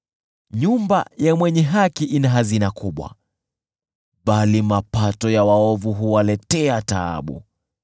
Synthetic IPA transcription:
ɲumba̰jamwɛɲɛɦakiʔinaɦazinakuɓwa̰ | ɓalimapatɔjawaɔvuɦuwalɛtɛataa̰ɓṵ

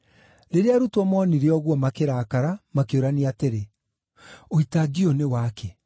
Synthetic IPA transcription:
ɾeɾeaɾutwɔmɔːniɾeɔɣwɔmakeɾaːkaɾamakeoɾaniateɾe | oitaɡionewaːkʰɛ

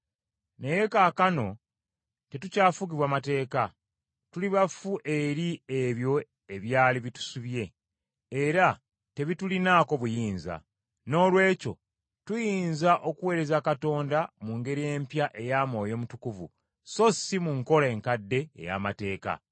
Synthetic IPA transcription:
ne̞je̞kaːkano̞ | te̞tucaːfuɡ̬iβwaːmate̞ːka | tuliβafuʔe̞ɾieβjo̞ | e̞βjaːliβitu̥suβje̞ː | ɾa | te̞βitulinaːko̞βujiːnza̰ | no̞ːlwe̞ːco̞̰ | tujiːnzaʔo̞kuwe̞ːɾe̞zakato̞ːndamuŋɡe̞ɾije̞ːmpjaʔe̞jaːmo̞ːjo̞ːmutukuvṵ | so̞simuŋko̞lae̞ːŋkadːe̞̰ːja̰ːmate̞ːka̰

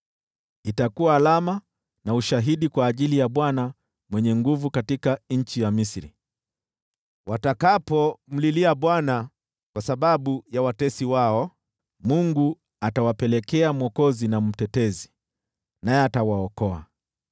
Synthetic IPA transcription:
itakuaːlama | nauʃaɦiɗikwaːʄilijaɓwana | mwɛɲɛŋɡuvukatikaɲ̩t͡ʃijamisɾḭ | wʔatakapɔm̩liliaɓwana | kwasaɓaɓujawatɛsiwaɔ | muŋɡu | atawapɛlɛkɛam̩wɔkɔzinam̩tɛtɛzi | najɛatawaɔkɔa̰

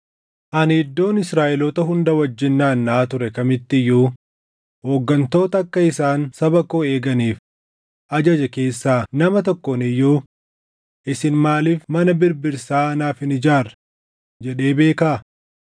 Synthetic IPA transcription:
ʔɐnɪd̪ːo̞ːnɪsɾaːʔɛlɔt̪ɐɦʊnd̪ɐwɐd͡ʒːɪnːaːnːaːt̪ʊɾɛkɐmɪt̪ːɪjːuː | hoːɡːɐnt̪o̞ːt̪ɐɐkːɐɪsaːnsɐbɐkoːe̞ːɡɐniːf | ʔɐd͡ʒɐd͡ʒɛke̞ːsːaːnɐmɐt̪ɔkːɔnɪjːuː | ʔɪsɪnmaːliːfmɐnɐbɪɾbɪɾsaːɐnaːfɪnɪd͡ʒaːɾɐ | d͡ʒɛɗe̞ːbe̞ːkaː

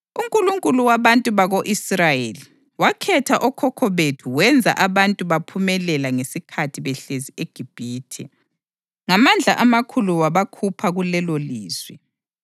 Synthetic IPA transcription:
uŋkʼuluŋkʼuluwaβantʼuβaɣoʔisrajeli | wakʰɛtʰaʔɔkʰɔkʰɔβetʰuwɛnd͡zʱa̰ʔaβantʼuβapʰumɛlɛlaŋesikʰatʰiβɛɬezieɡ̥ʱib̥ʱiːtʰɛ̰ | ŋamand͡ɮʱaʔamakʰuluwaβakʰupʰaɣulɛloliːz̥wɛ

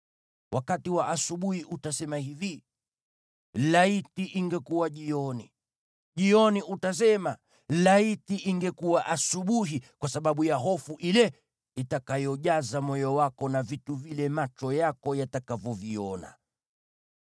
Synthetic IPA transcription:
wʔakatiwaʔasuɓuhiʔutasɛmahivi | laitiʔiŋɡɛkuwaʄiɔni | ʄiɔniutas̬ɛma | laitiʔiŋɡɛkuwaʔasuɓuɦikwasaɓaɓujaɦɔfuʔilɛ | itakajɔʄazamɔjɔwakɔnavituvilɛmat͡ʃɔjakɔjatakavɔviɔna̰

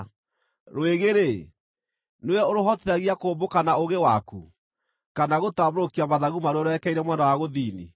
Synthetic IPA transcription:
ɾweɣeɾe | neɛoɾoɦɔteaɣiakoːmbokanaoɣewakṵ | kanaɣotamoɾokiamaðaɣumaɾɔɾɛkɛiɾɛmwɛnawaɣoðinḭ

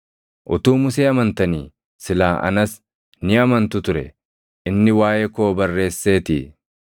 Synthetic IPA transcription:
ʔʊt̪uːmʊs̬eːɐmɐnt̪ɐniː | sɪlaːʔɐ̰nɐs | nɪɐmɐnt̪ʊt̪ʊɾɛ̰ | ʔɪnːɪwaːjɛkoːbɐrːe̞ːsːe̞ːt̪ḭː

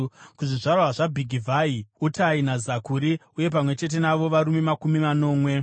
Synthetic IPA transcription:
kuʐiʐarwaʐabʱiɡʱivʱaiutainazakuɾiuje̞p̬amwe̞t͡ʃe̞t̬e̞naʋo̞ʋaɾumemakumimano̞ːmwe̞

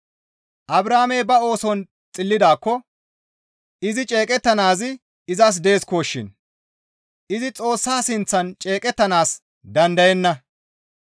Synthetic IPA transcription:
ʔɐbɾaːmejbɐo̞ːsɔn | t͡sʼɪlːɪd̪aːkːɔ | ɪzɪt͡ʃʼe̞ːkʼɛt̪ːɐnaːzɪ | ɪzɐs̬d̪e̞ːskoːʃːɪ̰n | ɪzɪt͡sʼo̞ːsːaːsɪnt͡sːɐnt͡ʃʼe̞ːkʼɛt̪ːɐnaːs | d̪ɐnd̪ɐjɛnːɐ

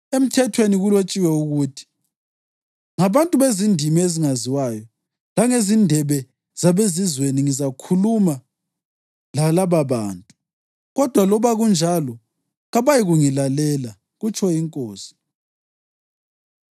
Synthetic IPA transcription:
em̩tʰɛtʰweniɣulot͡ʃʼiwɛuɣuːtʰi̥ | ŋaβantʼuβezindʱimieziŋaziwajɔ | laŋezindʱɛβɛ | z̥aβezizweniŋizakʰuluma | lalaβaβa̰ːntʼu | ɣɔd̥ʱwalɔβaɣund͡ʒʱalɔ | ɣaβajiɣuŋilalɛla | ɣut͡ʃʰɔjiŋkʼoːsi̥

